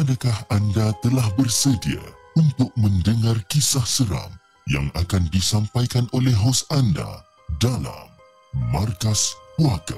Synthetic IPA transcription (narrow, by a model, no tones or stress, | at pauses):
ʔadakahandat̪əlahbərsədia̰ | unt̪ʊk̚mə̃ndəŋarkisahsəɾa̰m | ja̰ŋakandisampajkanolɛhɦosanda̰ | dala̰mː | arkaspuaka̰